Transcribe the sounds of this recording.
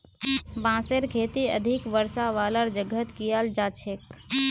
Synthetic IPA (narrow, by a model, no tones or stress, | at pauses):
bãːseɾkʰeːt̪iə̰d̪ʱikʋəɾsaʋaːləɾd͡ʒəɡʱət̪kijald͡ʒaːt͡ʃʰek